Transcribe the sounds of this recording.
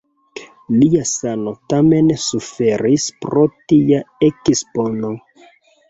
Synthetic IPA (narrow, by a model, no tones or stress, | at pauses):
liasano̞tame̞nsufeɾispɾotijaekispono